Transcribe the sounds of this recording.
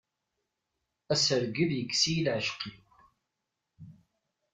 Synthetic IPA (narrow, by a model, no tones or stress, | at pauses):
æsəɾɡəðjəkːsijilʕəʃqiw